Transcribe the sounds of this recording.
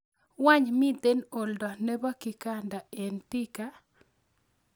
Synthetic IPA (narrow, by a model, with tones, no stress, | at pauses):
wa˦ɲmɪ˦d̪e˦no˨ldɔ˨nɛ˦ba˦ki˨ka˦nda˨e˨nti˦ka˦